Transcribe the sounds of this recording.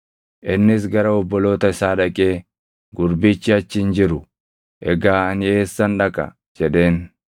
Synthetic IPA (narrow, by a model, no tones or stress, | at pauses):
ʔɪnːɪs̬ɡɐɾɐɔbːɔlo̞ːt̪ɐɪsaːᶑɐkʼe̞ː | ɡʊɾbɪt͡ʃːɪɐt͡ʃːɪnd͡ʒɪɾʊ | ʔɛɡaːɐne̞ːsːɐnᶑɐkʼɐ̰ | d͡ʒɛᶑe̞ːn